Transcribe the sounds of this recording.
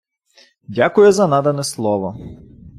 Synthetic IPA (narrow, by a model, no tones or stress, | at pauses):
dʲakʊjɛzɐnad̪ɐnɛslˠɔʋɔ